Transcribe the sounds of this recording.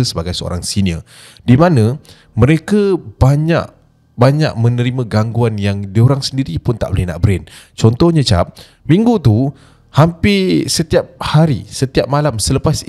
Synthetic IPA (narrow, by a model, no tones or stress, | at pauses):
səbaɡajsəo̰ɾa̰ŋsiniə̰ | dimãnə̃ | mə̃ɾekab̥aɲa̰ʔ | baɲa̰k̚mə̃nəɾimãɡaŋɡuanjaŋdioɾaŋsəndiɾipʊnt̪a̰ʔbolɛhna̰ʔbɾɛnt͡ʃɔnt̪ɔhɲə̃t͡ʃa̰p̚ | mĩŋɡut̪u | hampɪsət̪iap̚haɾḭsət̪iap̚malamsələpas